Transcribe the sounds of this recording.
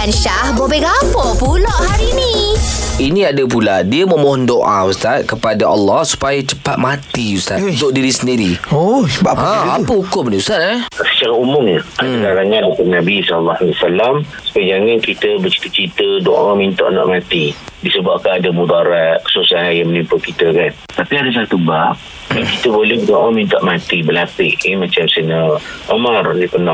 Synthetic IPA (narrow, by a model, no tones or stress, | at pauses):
kanʃahbobɛhɡabɔpuloʔhaɾini | inĩadap̬ulaʔdiəməmɔɦɔndoʔaust̪at̪̚kəpadaʔalːɑhsu̥pajat͡ʃə̥pat̪̚mat̪iust̪atd̪oʔdiɾisəndiɾiosəbaãapəhukʊmniust̪at̪̚asə̥t͡ʃaɾaumʊmɲaadakaɾaŋandukat̪̚nabisɔllːaaliasalamsə̥pad͡ʒaŋankit̪əbət͡ʃi̥t̪ət͡ʃit̪ədoʔamint̪a̰ʔna̰ʔmat̪idisəbaʔ̚kanadamudaɾaʔkə̥susaɦajjamənimpʊlkit̪əkant̪apiadas̬at̪ubaʔ̚ | kit̪əbolɛhdoʔamint̪aʔmat̪ibəlapɪʔemat͡ʃamsənəʔomardipəna